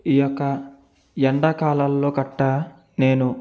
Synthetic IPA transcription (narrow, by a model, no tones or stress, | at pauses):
ijɔkːɐ | jɐɳɖɐkaːlalːo̞ːkɐʈːaː | ne̞ːnu